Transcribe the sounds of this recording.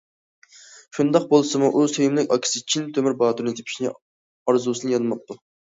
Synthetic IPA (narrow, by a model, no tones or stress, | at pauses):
ʃund̪ɑq̚bolˠsɨmuʔusøjumlɪkʲɑkʲʰi̥sɨt͡ʃʰːint̪ʰømɪɾbɑːt̪ɾnɨd̪epʰi̥ʃnɪ | ɑɾzusɨnɨjɑnɨmɑp̚t̪ːu